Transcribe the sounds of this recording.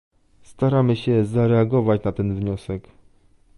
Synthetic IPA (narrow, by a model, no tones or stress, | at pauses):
st̪aɾamɘɕɛzaɾɛaɡɔvat͡ɕnat̪ɛnvɲɔsɛk